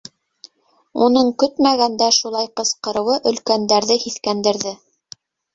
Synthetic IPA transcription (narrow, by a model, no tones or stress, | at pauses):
unɤɴkɵt̪mæɣænd̪æʃulˠɑjqɤ̆sqɤ̆ɾɤ̆wɤʔɵ̆lkænd̪æɾðɘhiθkænd̪ɘ̆ɾðɘ